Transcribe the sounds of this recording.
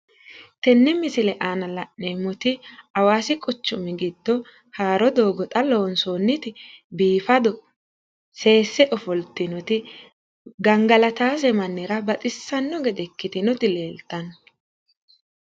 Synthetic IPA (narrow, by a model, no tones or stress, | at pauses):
t̪ɛnːɛmɪsɪlɛʔaːnɐlɐʔːeːmːɔt̪ɪɐwaːsɪkʼɔt͡ʃːʊmɛɡɪd̪ːɔ | haːɾɔd̪o̞ːɡɔt̪ʼɐloːnsoːnːɪt̪ɪbiːfɐd̪ɔ | se̞ːsːɛʔɔfɔlt̪ɪnɔt̪ɪ | ɡɐŋɡɐlɐt̪aːs̬ɛmɐnːɪɾɐbɐt̪ʼɪsːɐnːɔɡɛd̪ɛkːɪt̪ɪnʊt̪ɪle̞ːlt̪ːɐnɔ